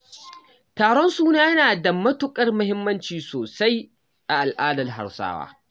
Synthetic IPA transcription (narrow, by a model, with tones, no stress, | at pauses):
taː˨ɽɔ˦nsuː˦naː˦jɐ˦naː˨dɐ˨mɐ˦tʊ˨kʼɐ˦rmʊ˦ɦɪ˦mːɐ˦nt͡ʃiː˨soː˨sa˦j | ʔa˨ʔa˨lʔaː˦dɐ˨rɦa̰˨ɽsa̰ː˦wa̰ː˦